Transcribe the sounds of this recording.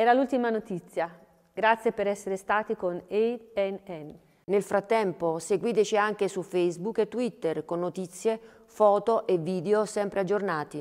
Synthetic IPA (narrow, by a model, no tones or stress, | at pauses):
ɛːɾalult̪imanot̪it̪sːja | ɡ̥ɾat̪sjepeɾɛsːeɾest̪aːt̪ikoneɛnɛn | nelfɾat̪ːɛmposeɡwiːt̪et͡ʃiaŋk̟esufejzbukːet̪ːwit̪ːerkonːot̪it̪sːje | fɔːt̪oʔevːiːd̪eosɛmpɾead͡ʒːornaːt̪i